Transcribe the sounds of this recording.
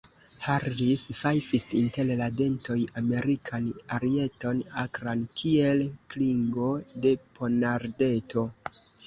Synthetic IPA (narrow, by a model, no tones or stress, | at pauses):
haɾlisfajpisinte̞llade̞nto̞jame̞ɾikʰanaɾie̞to̞nakɾankʰie̞lkliŋɡo̞de̞pʰonaɾde̞to̞